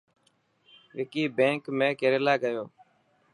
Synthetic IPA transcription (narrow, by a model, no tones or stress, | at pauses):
ʋɪkiːbẽːŋkmẽːkeɾeːlaːɡəjoː